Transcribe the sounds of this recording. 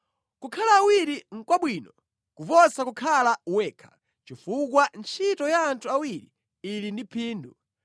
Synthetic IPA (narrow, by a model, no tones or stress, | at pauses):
kukʰalaːwiɾiŋ̩kwaɓwiːnɔ | kuvɔsakukʰalawɛːkʰḁ | t͡ʃifukwant͡ʃʰitɔjaːntʰuawiɾiː | lindipʰiːndu